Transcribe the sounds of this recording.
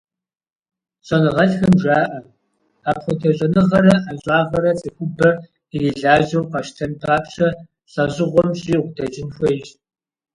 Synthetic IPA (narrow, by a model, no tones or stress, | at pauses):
ɕʼɐnɨʁɐɬxɐmʒaːʔɐ | aːpχʷɔtʰɐɕʼɐnɨʁɐɾɐʔaɕʼɑːʁɐɾɐt͡sʼixʷʊbɐ | ijiɮaːʒɐwqɐʃtʰɐnpʰaːpɕɐ | ɬʼɐʑɪʁʷɔmɕʼiːʁʷdɐd͡ʒɪnxʷɐjɕ